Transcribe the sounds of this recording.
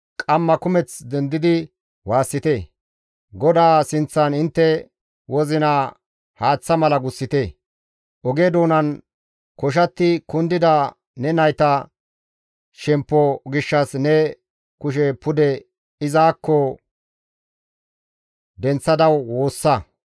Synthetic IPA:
kʼɐmːɐkʊmɛt͡sd̪ɛnd̪ɪd̪ɪ | waːsːɪt̪eː | ɡɔd̪aːsɪnt͡sːɐnɪnt̪ːɛ | wɔzɪna | haːt͡sːɐmɐlɐɡʊsːɪt̪eː | ʔɔɡeːd̪oːnɐn | kɔʃ̬ɐt̪ːɪkʊnd̪ɪd̪ɐ | nɛnɐjt̪ɐ | ʃɛmpːɔɡɪʃːɐsnɛ | kʊʃ̬ɛpʊd̪ɛ | ɪzaːkʰːɔ | d̪ɛnt͡sːɐd̪ɐwːoːsːɐ

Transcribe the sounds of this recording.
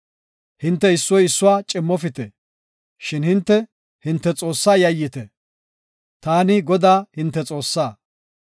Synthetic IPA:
hɪnt̪ːɛɪsːɔjɪsːʊwaːt͡ʃʼɪmːɔfɪt̪ɛ | ʃɪnhɪnt̪ːɛ | hɪnt̪ːɛt͡sʼo̞ːsːaːjɐjːɪt̪ɛ | t̪aːnɪɡɔd̪aːhɪnt̪ːɛt͡sʼo̞ːsːaː

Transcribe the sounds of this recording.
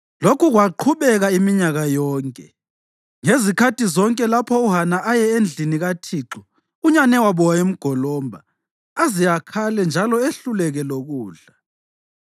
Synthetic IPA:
lokʰuɣwaǃʰuβɛɣaimiɲaɣajɔːŋkʼɛ | ŋezikʰatʰʼizɔŋkʼɛlapʰɔuɦanaʔajɛend͡ɮʱiniɣatʰiǁu | uɲanɛwaβɔwaem̩ɡ̥ʱɔlɔmbʱaː | zijakʰalɛnd͡ʒʱalɔeɬulɛɣɛloɣuːɮa

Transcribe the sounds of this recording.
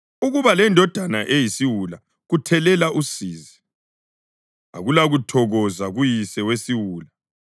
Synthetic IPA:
uɣuβalɛndʱɔd̥ʱanaʔejisiwula | ɣutʰɛlɛlaʔusiːzi | a̰ɣulaɣutʰɔɣɔzaɣujisɛwesiwuːla

